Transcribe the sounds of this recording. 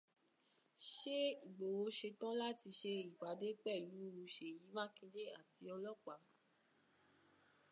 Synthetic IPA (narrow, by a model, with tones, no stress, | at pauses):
ʃe˦i˨ɡ͡bo˨wo˧˦ʃe˧tã˦la˦ti˧ʃe˧i˨ɡ͡ba˨˦de˦k͡pɛ˦˨lu˨˦u˧ʃe˨ji˨˦mã˦kĩ˧de˦a˦˨ti˧˦ɔ˧lɔ˦k͡pa˨˦